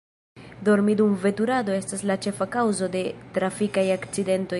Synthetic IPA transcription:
do̞ɾmidumve̞tuɾado̞e̞staslat͡ʃe̞fakawzo̞de̞tɾafikajakt͡side̞nto̞j

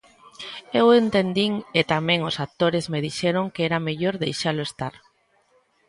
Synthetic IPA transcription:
ewent̪end̪iŋet̪amẽŋʊsat̪oɾezmeðiʃɛɾoŋkeɛɾameʎoɾðejʃalʊest̪aɾ

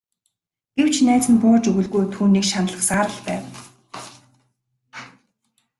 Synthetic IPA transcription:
ɡ̥ew̥t͡ɕʰnæːt͡sɘ̆npʊːrt͡ɕɵɣɵ̆ɮɣujt̪ʰuːniːkʃanə̆ɮə̆χsaːɾə̆ɮpæːw

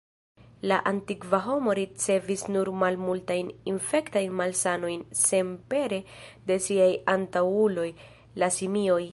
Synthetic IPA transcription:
laʔantikvaɦo̞mo̞ɾit͡se̞visnuɾmalmultajninfe̞ktajnmalsano̞jnse̞mpe̞ɾe̞de̞siajantawulo̞j | lasimio̞j

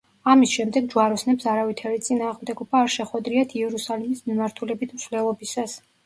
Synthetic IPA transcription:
amisʃɛmd̪ɛɡ̚d͡ʒwaɾɔsnɛpsaɾavit̪ʰaɾit̪sʼinaːʁmd̪ɛɡɔbaːɾʃɛχwɛd̪ɾiat̪ʰiɛɾusalimismimaɾt̪ʰulɛbit̪ʰmsvlɛlˠɔbisas

